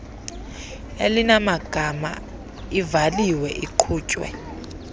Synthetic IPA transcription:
elinamaɡ̥ʱama̰ | ivaliwɛʔiǃʰuːt͡ʃʼwɛ̰

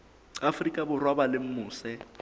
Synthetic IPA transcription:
afrikʼabʊrwabalɪm̩mʊːsɛ

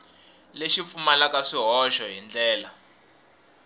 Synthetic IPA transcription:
leʃip̪fumalakaʂiɦɔʃɔɦind͡ɮɛːla

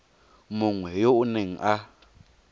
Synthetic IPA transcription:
moŋwɛjoʔneŋʔa

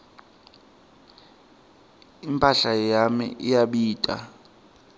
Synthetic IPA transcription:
impʼaɬajamḭʔijaɓiːtʼa̰

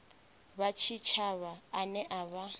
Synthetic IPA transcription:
βat͡ʃʰit͡ʃʰaβaːnɛʔaβa

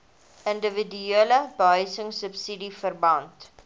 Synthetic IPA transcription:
ʔəndəvidyeələbəɦœjsəŋsəpsidifərbɐnt

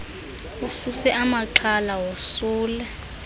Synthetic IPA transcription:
ufusɛʔamaǃʰalawosuːlɛ

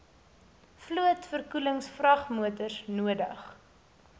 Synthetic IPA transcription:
fluətfərkuləŋsfrɐχmuətəsnuədəχ

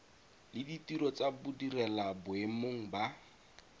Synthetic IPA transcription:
lɪditiɾɔt͡sabudirɛlabʊemoŋ̩ba

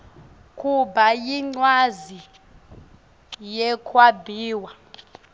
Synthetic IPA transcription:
kʰʼubajiŋ͡ǀwazi | jɛkʰwabʱiːwa

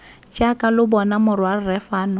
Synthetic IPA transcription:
t͡ʃʼakʼalʊbɔnamʊrwar̩rɛfaːnʊ

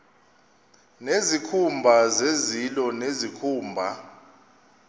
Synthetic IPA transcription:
nezikʰumbʱazezilɔnezikʰuːmbʱa

